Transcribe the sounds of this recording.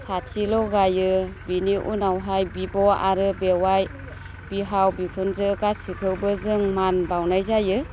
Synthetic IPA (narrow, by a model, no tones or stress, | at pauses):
satʰilɔɡajɯbiniʔṵnawɦajbibɔa̰ɾɯbewaj | b̥iɦawbikʰunzɯkasikʰɯwbɯzɯŋmanbawnajzajɯ